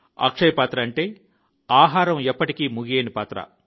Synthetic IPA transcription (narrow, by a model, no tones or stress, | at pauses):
ɐ̰kʂɐjɐpaːt̪ɾɐːɳʈe̞ː | aːɦaːɾɐmɛpːɐʈikiːmuɡeːnipaːt̪ɾɐ̰